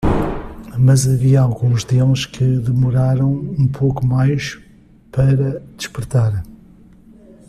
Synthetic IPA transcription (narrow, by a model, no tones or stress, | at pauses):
mɐzɐviɐalˠɣũʒd̪elʃkɨðɨmuɾaɾɐ̃w̃ũpʰokumajʃ | pɐɾɐd̪̥ɨʃpɨɾt̪aɾ